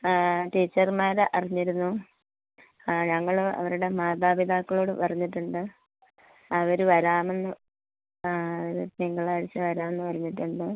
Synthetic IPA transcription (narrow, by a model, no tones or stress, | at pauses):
ʈiːt͡ɕːɐrmaːɾʔɐriɲːiɾunːu | ɲɐŋːɐɭoɐ̰ʋɐɾuɽe̞maːd̪aːbid̪ʱaːkːɐɭoːɽɨpɐrɐɲːiʈːuɳɖɨ | ɐʋɐɾuʋɐɾaːme̞nːɨ | ɐʋɐɾuniŋːɐɭaːɾit͡ɕːɨʋɐɾaːme̞nːɨpɐɾɐɲːiʈːuɳɖɨ